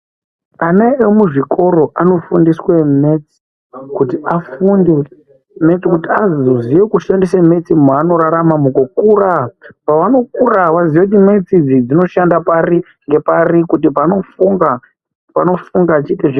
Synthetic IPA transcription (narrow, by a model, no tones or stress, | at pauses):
anaemuʐikʰo̞ɾo̞ʔano̞fundiswe̞me̞t͡si̥ | kutiʔafundi | me̞t͡sikutiazozijekuʃandesame̞t͡simano̞ɾaɾamamukokurapaʋano̞kuraʋaziʋekut̬ime̞t͡sid͡zid͡zino̞ʃandapaɾi | ŋɡe̞parikut̬ipano̞fuŋɡa | pano̞fuŋɡat͡ʃiteʐ